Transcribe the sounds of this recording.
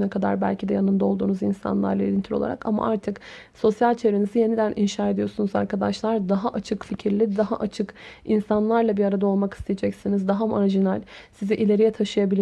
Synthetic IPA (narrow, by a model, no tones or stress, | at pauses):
nɛkʰad̪a̰ɾbæ̰lʲcʰid̪ɛjanɯnd̪ao̞lˠd̪uːnuzinsa̰nlˠa̰ɾlˠailint̪ʰiɾo̞̰lˠa̰ɾa̰kama̰ʔaɾt̪ʰɯk | so̞sjalʲt͡ʃʰe̞vɾenizije̞nid̪ænʔinʃaːed̪ijo̞sunuza̰ɾkʰad̪aʃlˠaɾd̪aɦaʔat͡ʃʰɯkficʰiɾlʲid̪aɦaʔat͡ʃʰɯkinsanlˠaɾlˠabiɾaɾad̪ao̞lˠmaki̥st̪ʰejed͡ʒɛcsinizd̪aɦamaɾʒinɛlʲsizɛʔilʲe̞ɾijɛt̪ʰaʃɯjabilʲ